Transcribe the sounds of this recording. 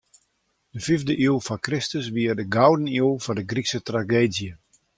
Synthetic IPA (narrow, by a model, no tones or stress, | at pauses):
dəfivdəʔilˠfɔkrɪstəsʋiərdəɡawdənilˠfɔdəɡriksətraɡeːdjə